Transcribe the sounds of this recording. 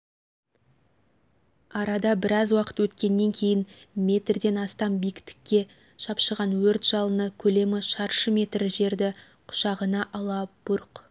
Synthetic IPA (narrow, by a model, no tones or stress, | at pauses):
ɑɾɑd̪ɑbɪɾɑzwɑqə̥t̪wɵt̪kʲe̞nːe̞ŋkʲʰe̞jɪnmʲe̞t̪rd̪e̞nɑst̪ɑnbijkʲɪ̥t̪ɪ̥kʲːe̞ | ʃɑpʃəʁɑnwɵɾt̪ʒ̥ɑlˠənəkʲʰɵle̞mɪʃɑɾʃəmʲe̞t̪rʒe̞ɾd̪ɪ | qʰʊ̥ʃɑʁənɑʔɑlˠɑb̥ʊɾq